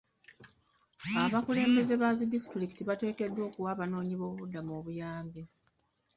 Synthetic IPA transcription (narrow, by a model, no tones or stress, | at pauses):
aβakule̞ːmbe̞ze̞βazidisi̥tɾiki̥tiβate̞ːke̞dːwo̞ːkuwaβano̞ːɲiβo̞ːββudːamoːβujaːmbi